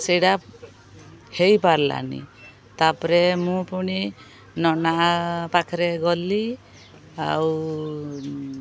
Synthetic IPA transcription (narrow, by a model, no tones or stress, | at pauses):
sejɽa | hejpaɾla̰nḭ | t̪apɔɾemũpuɽ̃i | nɔnaʔpakʰɾeɡɔli | aw